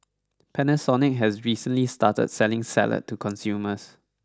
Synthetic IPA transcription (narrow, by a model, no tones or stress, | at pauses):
pʰɛnəsɔnɪk̚ɦɛsɹisə̃nlistatə̰d̚sɛlɪ̃ŋsɛ̰lə̰tʰːukʰɔ̃nsjuːməs